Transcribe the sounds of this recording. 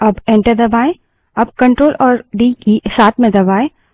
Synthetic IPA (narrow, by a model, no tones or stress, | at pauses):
ɐbẽɳʈəɾd̪ɐbaːẽ | ɐb̚kɐ̃ɳʈɾoːlɔːɾɖiːkisaːt̪ʰmẽd̪ɐbaːẽ